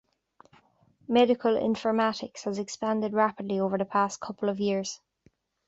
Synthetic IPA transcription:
mɛɾɪkʰəlɪ̰̃ɱfə˞matɪkshəzɛkspãndɪdɹapɪdˡlioːvə˞ðəpʰaskʰʊpʰəl̩əvjɪɹz̥

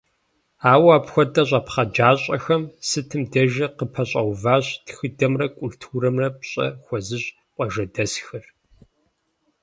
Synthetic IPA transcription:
aːwaːpxʷɔdɐɕʷʼɐpχɐd͡ʒaːɕʼɐxɐmsɨtʰɨmdɐʒɐqəpʰɐɕʼɐwvaːɕtxɨdɐmrɐkʷʼʊltʰuːɾɐmrɐpɕʼɐ̰xʷɔzɨɕʼ | qʷʼɔʒɐdɐsxɨr

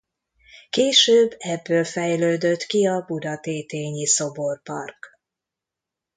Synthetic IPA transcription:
keːʃøːbːɛbːøːlfɛjløːd̪øt̪kiɒbud̪ɒt̪eːt̪eːɲiso̞bo̞rpɒ̰rk

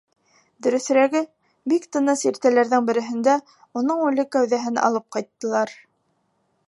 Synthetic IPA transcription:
d̪ɵ̆ɾɵ̆θɾæɡɘ | bikt̪ɤ̆nɤsiɾt̪ælæɾðɘŋbɘ̆ɾɘ̆ɦɘ̆nd̪æ | unɤɴʉlɘkæwðæɦɘnʔɑ̰lˠɤp̚qɑjt̪ːɤ̆lˠɑɾ

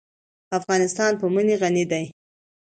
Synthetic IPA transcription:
afɣɑnɪst̪ɑnpəməneɣanid̪aj

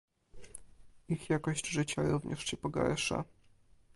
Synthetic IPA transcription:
ixjakɔʑd͡ʑʐɘt͡ɕaɾuvɲʔɛ̰ʂɕɛpɔɡa̰ɾʂa̰

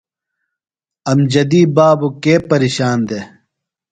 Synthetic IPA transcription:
ɐmd͡ʑɐd̪iːbaːbukeːpɐɾiːɕaːnd̪e

